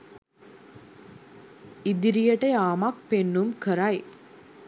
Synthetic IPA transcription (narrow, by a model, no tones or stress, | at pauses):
id̪iɾijəʈəjaːmakpenːumkəɾaj